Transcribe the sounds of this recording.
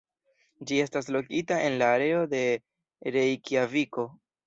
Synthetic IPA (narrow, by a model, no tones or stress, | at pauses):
d͡ʒie̞stas̬lo̞kitaʔe̞nlaːɾe̞o̞de̞ | ɾe̞jkiaviko̞